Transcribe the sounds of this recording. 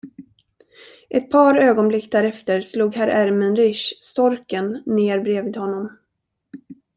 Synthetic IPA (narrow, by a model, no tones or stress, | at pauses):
ʔɛt̪̚pʰɑːɾøːɡɔnblɪkːd̪æɾɛft̪əɾsluːɡhæɾʔæɾmɛnɾɪʂst̪ɔɾkənːeːɾbɾeːviːd̪hɔnːɔm